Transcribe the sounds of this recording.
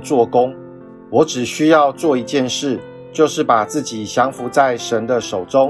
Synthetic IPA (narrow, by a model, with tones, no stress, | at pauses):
t͡swɔ˥˨kʊ˦ŋ | wɔ˨˥ʈ͡ʂɻ̩˨˩ɕy˦jɑ˥˧ʊt͡swɔ˥˨i˧˥t͡ɕjɛ˥˧nʂɻ̩˥˩ | t͡ɕjo˥˧ʊʂɻ̩˥˩pa˨˩t͡sɹ̩˥˩t͡ɕi˨˩ɕjɑ˧˥ŋfu˨˧˥t͡sa˥˩ɪʂə˧˦nd̪ə˧ʂo˨˩ʊʈ͡ʂʊ˦˥ŋ